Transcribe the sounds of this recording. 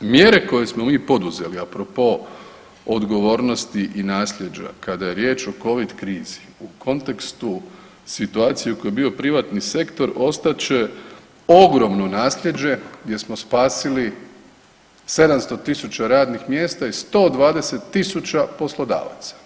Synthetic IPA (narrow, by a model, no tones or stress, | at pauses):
mje̞ɾe̞ko̞je̞smo̞miːpo̞d̪uze̞liapɾopo̞ | od̪ɡo̞ʋo̞ːɾno̞st̪iʔinaːslʲʎʲje̞d͡ʒa̰kad̪aje̞ɾje̞ːt͡ʃo̞ko̞ʋid̪kɾiːzi̥ | ukʰo̞nt̪e̞kst̪u | sit̪uaːt̪sijeukojebiːo̞pɾiʋat̪nise̞kt̪o̞ɾo̞st̪at͡ɕe̞ | o̞ɡɾo̞mnonaːslʲje̞d͡ʒe̞ɡd̪ʲje̞smo̞spaːsili | se̞d̪amst̪o̞t̪isut͡ɕaɾaːd̪nixmjeːst̪aist̪o̞ːd̪ʋaːd̪e̞se̞t̪ːisut͡ɕapo̞slo̞d̪a̰ːʋa̰t̪sḁ